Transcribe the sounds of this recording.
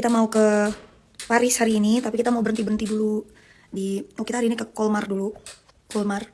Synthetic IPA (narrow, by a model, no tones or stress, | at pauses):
kit̪amaukə | paɾɪshaɾiːnit̪apikit̪amaubəɾənt̪ibəɾənt̪idulu | diokit̪aɾiːnikəkɔlmardulu | kɔlmar